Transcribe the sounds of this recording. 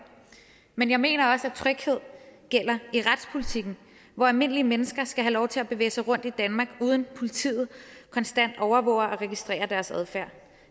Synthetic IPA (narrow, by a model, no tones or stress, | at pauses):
menjɑ̈ɪme̝̰ːnɐɒ̽sæt͡sʰʁœɡ̥he̝ð̞̰ˠɡ̥el̰ɐiʁad̥spʰo̝lit͡sʰiɡ̥n̩ | ʋɒælme̝n̰əliəmenəsɡ̥ɐsɡ̥æɦælɒʊt͡sʰe̝læb̥e̝ʋe̝̰ːsɑ̈ɪʁɔ̽n̰d̥id̥ænmɑ̈ːɡ̥uːð̞ˠənpʰo̝lit͡sʰḭːð̞̩ˠkʰɒ̽nsd̥æn̰d̥ɒʊɐʋɔʊɐʔɒ̽ʁɛɡ̥isd̥ʁɛ̰ːɐd̥æɐsæðˠfæɐ̰